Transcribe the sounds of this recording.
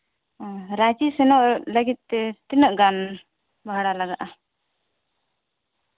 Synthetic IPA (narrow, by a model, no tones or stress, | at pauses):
ɾad͡ʒisɛnɔʔləɡit̪̚t̪ɛt̪inɔʔɡan | bʱaɽalaɡaʔa